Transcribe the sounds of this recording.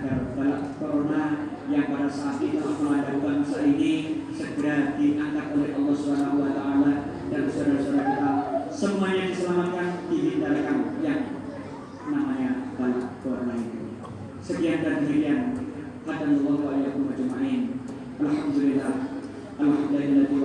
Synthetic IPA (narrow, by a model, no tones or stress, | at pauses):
ɡarbalaʔkoɾona | jaŋpadasaʔːt̪̚it̪uaməŋadaɦbamasainisəkiɾadiʔaŋkat̪̚olɛhʔɑlːɑhsubanaɦuwat̪aʔala | dalmsuaɾasuaɾakit̪asəbəŋaɲadisəlamat̪̚kant̪iɦindaɾikanjaŋ | namaɲab̥alaʔkoɾonait̪ṵ | səkiadand̪əmit̪ian | had̪anɑlˠˤːɑɦuwaljakʊmald͡ʒəmaʔin | ʔalhamd̪ulilːah | ʔalhamd̪alilːabi